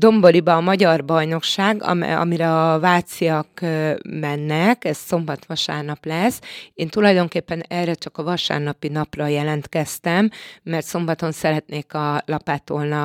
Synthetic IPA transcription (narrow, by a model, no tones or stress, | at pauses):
d̪o̞mbo̞libɒːmɒɟɒrbɒjno̞kʃaːɡɒ̰mɛ̰ɒ̰miɾɛɒvaːt̪siɒkmɛnːɛkɛsso̞mbɒt̪ʋɒʃa̰ːrnɒplɛseːnt̪ulɒjd̪o̞ŋkeːpːɛnɛrɛt͡ʃɒkɒvɒʃa̰ːrnɒpinɒprɒjɛlɛnt̪kɛst̪ɛmːɛrt̪so̞mbɒt̪o̞nsɛɾɛt̪neːkɒlɒpaːt̪olnɒ